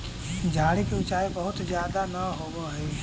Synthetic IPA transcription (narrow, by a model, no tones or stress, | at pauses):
d͡ʒʱaːɽikeʊt͡ʃaːibəɦʊt̪zjaːd̪anəɦoːɡoɦɛ